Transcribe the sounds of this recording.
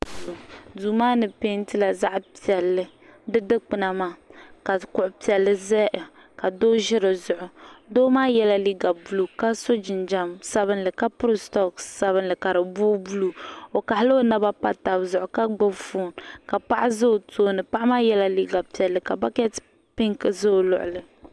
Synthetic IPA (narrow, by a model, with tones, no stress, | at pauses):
duː˨maː˦nɨ˨pe˦n˦tɨ˦la˨za˦ʔpi˨ɛ˨lːɨ˦ | dɨ˦dɨ˦k͡pɨ˨na˨ma˨˦ka˨kʊ˦ʔʊ˦pi˨ɛ˨lːɨ˦zɛ˦ʔ | ka˨doː˦ʒɪ˦ɾɨ˨zʊ˨ʔʊ˨doː˦maː˦jɛ˦la˦li˦ɡa˨bu˦lu˨ka˦so˦d͡ʒɪ˨nd͡ʒa˦msa˦βɨ˦nlɨ˨ka˦pʊ˦ɾɨ˦stɔ˦ksa˦βɨ˦nlɨ˨ka˨ɾɨ˨buː˦bu˦lu˨o˨ka˨hɪ˦lɨ˦o˦na˦ba˦pa˦ta˨bzʊ˨ʔʊ˨ka˦ɡo˦bfuː˦˨nka˨pa˦ʔa˦zo˦˨tʰoː˦nɨ˨pa˦ʔa˦maː˦jɛ˦la˦li˦ɡa˨pi˨ɛ˨lːɨ˨ka˨ba˦kɛ˦t | pɪ˦ŋkɨ˨zo˦˨lʊ̰˨ʔʊ̰˨lɨ˨